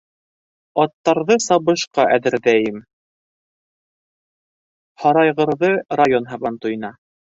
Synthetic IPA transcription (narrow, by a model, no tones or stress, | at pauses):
ɑt̪ːɑɾðɤsɑβɤ̆ʃqɑʔæðɘ̆ɾðæjɘm | hɑɾɑjʁɤ̆ɾðɤrajonɦɑβɑnt̪ujɤ̆nɑ